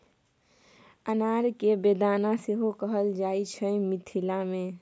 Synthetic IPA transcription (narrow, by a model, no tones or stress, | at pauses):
ənaɾkebed̪anaseɦokəɦəld͡ʒaːit͡ʃʰəmit̪ʰilamẽ